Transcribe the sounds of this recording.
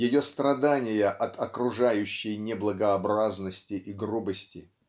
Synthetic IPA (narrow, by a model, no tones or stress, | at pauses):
jɪjost̪ɾɐd̪anʲɪjəʔɐt̪ʰɐkɾʊʐajʉɕːɪjnʲɪblˠəɡəɐbɾaznəsʲtʲɪʔiɡrubəsʲtʲɪ